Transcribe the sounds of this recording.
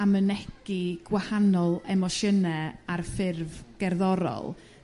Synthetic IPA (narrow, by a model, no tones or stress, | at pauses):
amənɛɡ̥iɡ̥wahanɔlˠɛmɔʃənɛarfɪrvɡ̥ɛrðɔɾɔ̰lˠ